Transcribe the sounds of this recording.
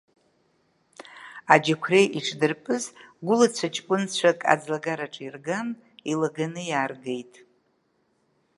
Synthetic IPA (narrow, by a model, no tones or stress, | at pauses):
ad͡ʒakʷʰrejʔiʈ͡ʂʰdɨrpʼɨzɡʷʊlat͡ɕʷʰat͡ʃʼkʷʼʊnt͡ɕʷʰakʼa̰d͡zlaɡaɾaʈ͡ʂʼirɡam | ilaɡanɨjaːrɡejtʼ